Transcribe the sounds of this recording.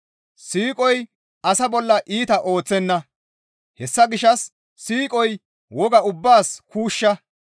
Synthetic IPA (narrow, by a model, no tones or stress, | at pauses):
siːkʼɔj | ʔɐsɐbɔlːɐʔiːt̪ɐʔo̞ːt͡sːɛnːɐ | hɛsːɐɡɪʃɐsː | iːkʼɔj | wɔɡɐʊbːaːskuːʃːɐ